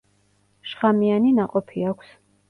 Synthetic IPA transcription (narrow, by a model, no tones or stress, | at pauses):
ʃχamianinaqʼɔpʰiakʷʰs